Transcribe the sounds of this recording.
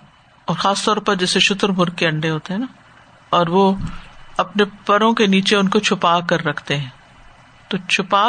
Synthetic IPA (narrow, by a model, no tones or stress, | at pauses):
ɔːɾxaːst̪ɔːɾpɐɾd͡ʒɛːseʃʊt̪ɾmʊɾɡ̚keɐ̃ɳɖeɦoːt̪eɦɛ̃ːna | ɔːɾʋo | ɐpnepɐɾõkeniːt͡ʃeʊnkot͡ʃʰʊpaːkɐɾːɐkʰt̪eɦɛ̃ː | t̪ot͡ʃʰʊpaː